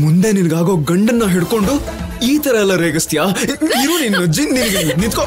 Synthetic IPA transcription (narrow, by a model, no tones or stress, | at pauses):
mund̪e̞ninɐɡaːɡo̞ːɡɐɳɖɐnːɐɦeɽko̞ɳɖu | iːt̪ɐɾɐɛlːɐɾeːɡɐst̪jaːiɾuːninːɐd͡ʒininɐɡenint̪ko